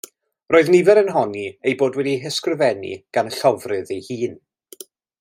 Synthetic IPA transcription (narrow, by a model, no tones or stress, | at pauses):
roːɨðnɪvɛɾənɦɔniejboːdwɛdiɦəskrəvɛnḭɡ̥anɬɔvrɨðejhiːn